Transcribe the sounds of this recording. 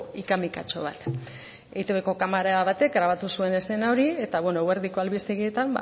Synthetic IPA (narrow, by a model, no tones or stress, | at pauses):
ikamika̰t͡ʃo̞̰β̞a̰t̪ | eit̪eβeko̞kamaɾaaβat̪e̞kɡɾaβat̪usue̞ne̞se̞nao̞ɾie̞t̪aβwenoweɾðiko̞alβist̪eɣie̞t̪amba̰